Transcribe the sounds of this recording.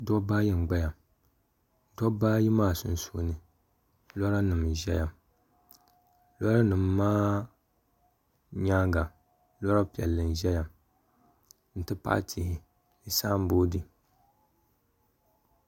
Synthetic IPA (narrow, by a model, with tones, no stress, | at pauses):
dɔ˦baː˦jɛ˨n˨ɡ͡ba˦ja˨m | dɔ˦baː˦ji˦maː˦˨su˨n˨so˨˦nɨ˨ | lɔ˦ɾa˦nɨ˨mʒɛ˦ja˨ | lɔ˦ɾa˦nɨ˨mː˦aː˦ | ɲaː˦ɡa˨ | lɔ˦ɾa˦pi˨ɛ˨lːɨ˨n˨ʒɛ˦ja˨ | n̩˨tɨ˦pa̰˦tʰi˨hɪ˨ | i˨saː˦m˦boː˦dɨ˨